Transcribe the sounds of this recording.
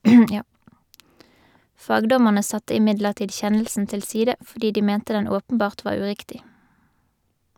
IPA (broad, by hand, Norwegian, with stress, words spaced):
ˈfɑːɡˌdɔməʁnə ˈsɑtə ɪˈmɪdləʁˌtiːd ˈçɛnəlsn̩ ˈtɪl ˈsiːdə fɔʁˈdiː ˈdiː ˈmɛntə ˈdɛn ˈoːpənˌbɑːʁt ˈʋɑːʁ ˈʉˌʁɪktɪ